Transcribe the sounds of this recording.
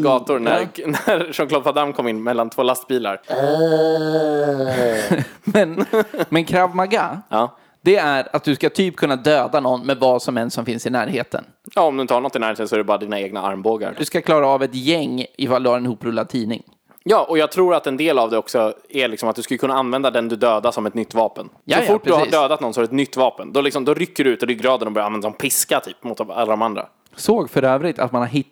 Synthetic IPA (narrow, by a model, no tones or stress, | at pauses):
ɡɑːt̪ʊɾnæɾnæɾʂɔmkʰlɔbfad̪amkʰɔmɪnːmɛlːant̪ʰvoːlast̪̚biːla̰ɾ | mɛnmɛnkʰɾavmaɡaɑː | d̪̥ɛæɾat̪̚d̪ɵskat̪ʰyːp̚kʰɵnːad̪øːd̪anɔnːmɛd̪vɑːsɔmɛnsɔmfɪnsɪnæːɾheːt̪ʰə̰n | jɑːɔmd̪ɵɪnt̪əhaɳnɔt̪ːɪnæːɾheːt̪əsɔɛɾɖɛbɑːɾad̪iːnaeːɡna̰a̰ɾmboːɡa̰ɾd̪ɵskakʰlɑːɾaːvɛt̪jɛŋːɪfald̪ɵhaɾɛnɪhuːpɾɵlːad̪̚t̪ʰiːnɪ̰ŋ | jɑːʔɔjɑːɡ̚t̪ʰɾuːɾat̪ɛnd̪eːlavd̪ɛɔksɔæɭɪksɔmat̪̚d̪ɵskɵləkʰɵnːaanvɛnd̪ad̪ɛnd̪ɵd̪øːd̪asɔmɛt̪nʏt̪ːvɑːpənjaɔffʊʈ̚ːd̪ɵhsaiːɖøːd̪at̪nɔnsɔhɾɖɵɛt̪nʏt̪ːvɑːpənd̪ɔlɪksɔmd̪ɔɾʏkːəɖɵʉːt̪ɔd̪ɛːɡɾɑːd̪ɛnɔbœɾjanvɛnd̪asɔnpʰɪskat̪ʰyːpmʊt̪a̰lːad̪ɔmand̪ɾa̰ | soːɡfœɾøːvɾɪt̪ʰa̰t̪manhaɾɦɪ